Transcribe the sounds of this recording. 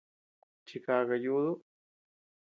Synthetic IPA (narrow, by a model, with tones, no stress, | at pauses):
t͡ʃi˧ka˧ɣa˧juðu˦